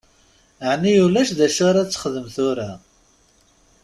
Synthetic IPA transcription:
ʕnijulæʃðæʃaɾat͡sːə̥χəðəmθʊɾa

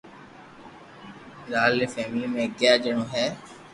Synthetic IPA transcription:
ɾaːlefɛːmɪliːmẽːɡɪjaːd͡ʒəɳ̃õːɦɛː

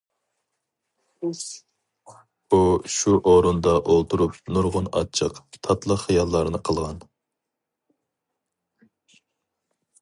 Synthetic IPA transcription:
uʃuʔoɾund̪ɑʔolˠt̪ʰuɾup̚nuɾʁʊnɑ̰t͡ʃʰːəqt̪ʰɑt̪lˠəχijɑlˠːɑɾɨnɨqʰəlˠʁɑn

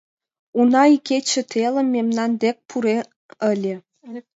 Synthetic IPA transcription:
unɑiket͡ɕə̆t̪ʰelə̆mːemnɑnd̪ek̚pʰuɾe | ə̆lʲĕ

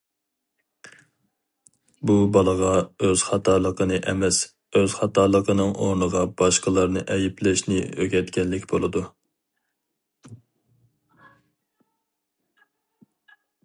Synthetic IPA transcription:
bubɑlˠəʁɑøz̥χɑt̪ʰɑːlˠəqənɨʔɛmɛs | øz̥χɑt̪ʰɑːlˠəqʰənɨŋʔoɾnəʁɑbɑʃqəlˠɑɾnɨʔɛjiplɪʃnɪøɡʲɛt̪kʲɛnːɪkʲbolˠɨd̪u

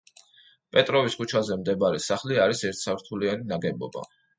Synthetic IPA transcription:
pʼɛt̪ʼɾɔviskʰut͡ʃʰazɛmd̪ɛbaɾɛsaχliaɾisɛɾt̪ʰsaɾt̪ʰulianinaɡɛbɔ̰ba̰

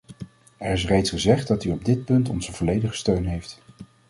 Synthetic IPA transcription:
ɛɹɪs̬rejtsχəzɛχt̚dɑtyɔb̚dɪt̚pɵntɔ̰nzəvɔlejdəχə̥støɥnɦejft

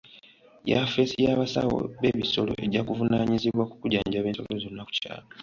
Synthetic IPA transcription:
jafe̞sijaːβasa̰wo̰βe̞βiso̞lo̞̰ʔe̞ɟakuvunaːɲiziβwakukuɾaːɲɟaβeːsolozo̞nːaku̥ca̰ːlo

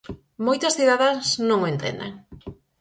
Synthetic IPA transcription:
mojt̪ɐsθiðaðeŋsnõŋent̪ḛnd̪ḛŋ

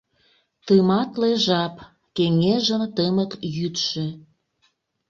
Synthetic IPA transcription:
t̪əmɑt̪leʒɑp | keŋeʒə̆mt̪əməkjyt̪ʃĕ

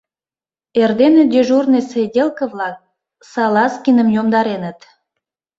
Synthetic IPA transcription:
erd̪enĕd̪ʲeʒurnesedʲelkəvlɑk̚ | sɑlɑskinəmjomd̪ɑɾenət̪

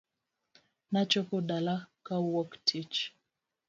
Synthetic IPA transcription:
nat͡ʃɔkɔɗalakawɔktʰit͡ʃ

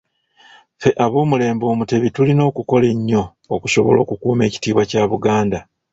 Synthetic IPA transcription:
fe̞ʔaβo̞ːmule̞ːmbo̞ːmute̞βitulino̞ːkuko̞le̞ɲːo̞ː | kuʃo̞βo̞̰lo̞̰ːkukuːme̞ːci̥tiːβwacaːβuɡaːnda

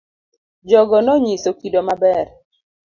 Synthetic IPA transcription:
d͡ʒɔɡɔnɔɲisokidomabɛɾ

